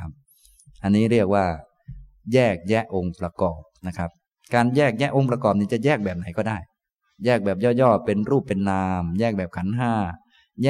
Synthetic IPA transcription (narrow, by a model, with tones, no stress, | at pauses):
a˦˥p̚ | ʔa˧nːiː˦˥ɾək̚waː˥˩ | jɛː˥˩k̚jɛ˦˥ʔo˧ŋpɾa˧kɔː˨˩p̚na˦˥kʰa˦˥p̚ | kaː˧njɛː˥˩k̚jɛ˦˥ʔo˧ŋpɾa˧kɔː˨˩p̚niː˥˩t͡ɕa˨˩jɛː˥˩k̚bɛː˨˩p̚na˩˦jkɔː˥˩daː˥˩j | jɛː˥˩k̚bɛː˨˩p̚jɔː˥˩jɔː˥˩pe˧nɾuː˥˩pːe˧nːaː˧mjɛː˥˩k̚bɛː˨˩kʰa˩˦nɦaː˥˩ | jɛː˥